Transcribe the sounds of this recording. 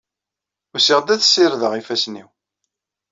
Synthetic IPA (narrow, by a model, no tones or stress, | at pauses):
ʊɾsiʁd̪æθsːiɾðəʁifæsnḭw